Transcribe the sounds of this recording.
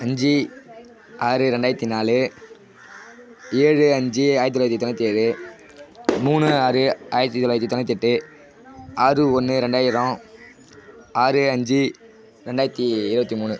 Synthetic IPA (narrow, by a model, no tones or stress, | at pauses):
ɐɲd͡ʒi | aːɾɯɾɛɳɖaːjɐt̪ːinaːlɯ | eːɻɯɐɲd͡ʒiaːjɾɐt̪ːɔlaːjɐt̪ːit̪ɔnːɐt̪ːieːɻɯ | muːɳɯaːɾɯaːɾɐt̪ːit̪ɔlaːjɐt̪ːit̪ɔnːɐt̪ːɪʈːɯ | aːrɯɔnːɯɾɛɳɖaːjɪɾõ | aːɾɯɐɲd͡ʒi | ɾɛɳɖaːjɐt̪ːiɪɾɯbɐt̪ːimuːɳɯ